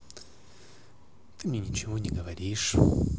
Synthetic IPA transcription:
t̪ɨmnʲenʲɪt͡ɕɪvonʲɪɡəvɐɾʲiʂ

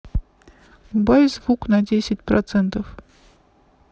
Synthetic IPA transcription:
ubɑjzvuknadʲesʲɪtʲprɐt̪sɛnt̪of

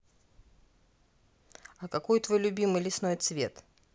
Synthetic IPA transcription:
ɐkɐko̞jt̪vojlʲʊbʲimɨjlʲɪsnojt̪svʲe̞̰t̪

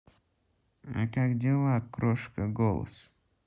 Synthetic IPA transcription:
a̰kakdʲelˠakɾoʂkəɡolˠə̰s

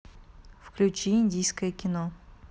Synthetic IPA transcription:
fklʲʉt͡ɕiinʲdʲijskəjəkʲɪno

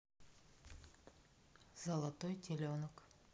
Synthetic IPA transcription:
zɑlˠɑt̪ojt̪ʲʰelʲeonək

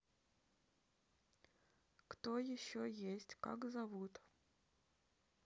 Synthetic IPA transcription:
kt̪ojɪɕːojesʲtʲka̰kzɐvut̪

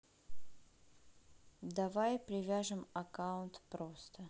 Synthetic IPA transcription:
d̪ɐvajpɾʲɪvʲaʐɨmɐkaʊnt̪pɾost̪ə

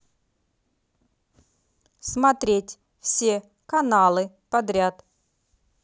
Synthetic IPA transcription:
smɐt̪ɾʲetʲ | fsʲe | kɐnalˠɨ | pɐd̪ɾʲat̪

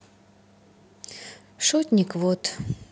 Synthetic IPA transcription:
ʃot̪ʲnʲikvot̪

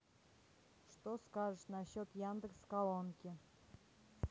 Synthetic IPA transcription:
ʂt̪oskɑʐəʂnaɕot̪jand̪əkskalˠonkʲi

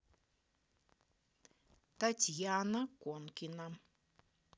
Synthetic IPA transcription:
t̪at͡ʃjanãkʷonkinãm

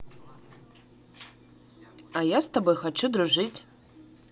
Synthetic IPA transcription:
ajast̪abojxat͡ʃʰud̪ruʐɨtʲ

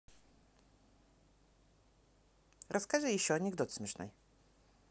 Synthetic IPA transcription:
ɾʔɐskaʐɨjɪɕːɔɐnʲɪɡd̪ot̪smʲɛʂnɨ̰j

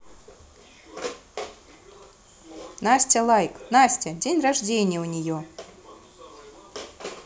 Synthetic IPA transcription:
nasʲtʲəlˠajknasʲtʲədʲenʲraʐdʲenʲɪjəunʲɪjo

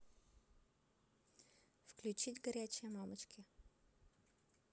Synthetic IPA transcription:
fklʲʉt͡ɕidʲɡɐɾʲæt͡ɕɪjəmamət͡ɕkʲɪ

